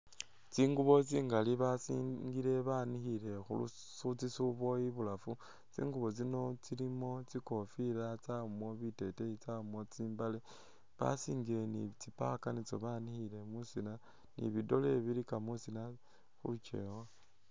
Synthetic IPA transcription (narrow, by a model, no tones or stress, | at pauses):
t͡siːŋɡuβo̞t͡siːŋɡaliβasiŋɡiɾe̞βanixiɾe̞xṵlṵ | sut͡sisuβo̞iβulafu | t͡sḭːŋɡuβo̞t͡sino̞t͡silimo̞t͡siko̞fiɾat͡saumo̞βite̞teit͡saumo̞t͡siːmbale | βa̰siːŋɡiɾe̞nit͡sipa̰kanit͡so̞̰βanixiɾe̞musina | nḭβido̞le̞βiɾikamusina | xut͡ʃḛwa